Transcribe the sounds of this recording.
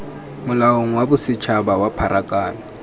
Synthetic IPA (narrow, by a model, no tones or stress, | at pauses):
mʊlaoŋ̩wabʊsɪt͡ʃʰabawapʰaɾʔakʼaːlɔ